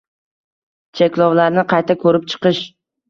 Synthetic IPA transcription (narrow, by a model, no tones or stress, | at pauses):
t͡ʃʰekʲlˠɒwlaɾnɪqʰɑjt̪ʰakʰɵɾɪp̚t͡ʃʰɨ̥qɨʃ